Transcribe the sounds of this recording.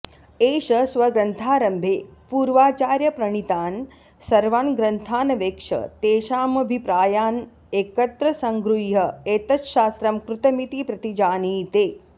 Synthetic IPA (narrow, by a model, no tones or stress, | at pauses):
eːʃɐsʋɐɡɾɐnt̪ʰaːɾɐmbʱeːpuːɾʋaːt͡ʃaːɾjɐpɾɐɳ̃it̪aːn | sɐɾʋaːɳɡɾɐnt̪ʰaːnɐʋeːkʂɐ̰t̪eːʃaːmɐbʱipɾaːjaːn | eːkɐt̪ɾɐsɐŋɡɾujɐeːt̪ɐt͡ʃʃaːst̪ɾɐmkɾut̪ɐmit̪iːpɾɐt̪id͡ʒaːniːt̪eː